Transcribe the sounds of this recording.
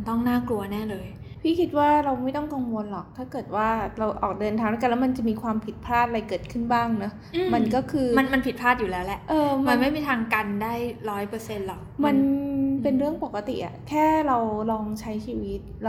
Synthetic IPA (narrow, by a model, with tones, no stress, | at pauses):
nt̪ɔ˥˩ŋnaː˥˩klu˧ɐnɛː˥˩lɤː˧jpʰiː˥˩kʰi˦˥t̪̚waː˥˩ɾa˧wma˥˩jt̪ɔ˥˩ŋka˧ŋwo˧nlɔː˨˩k̚t̪ʰaː˥˩kɤː˨˩t̪̚waː˥˩ɾa˧wʔɔː˨˩k̚dɤː˧nt̪ʰaː˧na˥˩klːma˧nt͡ɕa˨˩miː˧kʰwaː˧mpʰi˨˩pʰɾaː˥˩t̪̚ɾa˧jkɤː˨˩t̪̚kʰɯ˥˩nbaː˥˩ŋnɔ˦˥ | ma˧nkɔː˥˩kʰɯː˧ma˧nma˧npʰi˨˩t̪̚pʰaː˥˩t̪̚juː˨˩lɛː˦˥wlɛ˦˥ʔʔɤː˧ma˧nma˥˩jmiː˧t̪ʰaː˧ŋka˧ndaː˥˩jɾɔː˦˥jpɤː˧se˧nlɔ˨˩kma˧npe˧nɾɯ˥˩əŋpo˨˩kːa˧t̪ḭ˨˩ʔa̰˨˩kʰɛː˥˩ɾa˧wlɔː˧ŋt͡ɕʰa˦˥jt͡ɕʰiː˧wi˦˥t̪̚